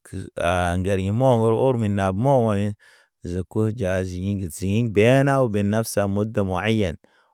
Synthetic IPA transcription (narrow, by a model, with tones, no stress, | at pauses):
ka˨ŋɡe˨ɾɡi˨mo˦ɡo˦ɾo˦ɾmi˨nːa˨bmo˦wa˨mi˦n | za˨ku˦d͡ʒa˨zi˨ɲi˦ŋɡi˨z̥i˨ŋi˦ŋbe˦na˦wu˨be˨nːa˦fsa˨mu˦da˨mu˨a˦jːa˨n